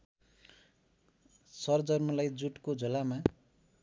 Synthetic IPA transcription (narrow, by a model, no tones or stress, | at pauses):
sʌrd͡zʌrmʌlajd͡zuʈkod͡zʱolama